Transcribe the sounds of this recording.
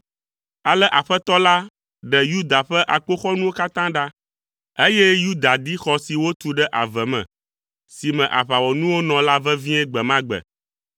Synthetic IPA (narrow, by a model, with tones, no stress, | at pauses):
a˨lɛ˦ʔa˨ɸɛ˦t̪ɔ˦la˦ | ɖɛ˨ju˦d̪a˨ɸɛ˦ʔa˨k͡po˦xɔ˦nũ˦wo˦ka˦t̪ã˦ɖa˦ | e˦jɛ˦ju˦d̪a˨d̪i˦xɔ˨si˨wo˦t̪u˨ɖɛ˦ʔa˨vɛ˨mɛ̰̃˨ | si˨mɛ̃˨ʔa̰˨ɸa˨wɔ˨nũ˦wo˦nɔ̃˨la˦vɛ˦vĩ˦ɛ˦ɡ͡bɛ˨mã˦ɡ͡bɛ̰˨